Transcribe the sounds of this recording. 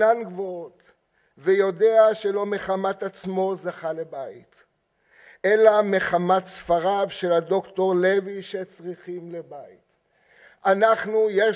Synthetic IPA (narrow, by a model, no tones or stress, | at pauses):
anɡvoot | vejo̞deaʃe̞lo̞me̞χamat̪at͡smo̞zaχale̞bait | ʔe̞lame̞χamat̪sfaʁavʃe̞lado̞kto̞ʁle̞viʃet͡sʁiχimle̞bait | ʔanaχnuje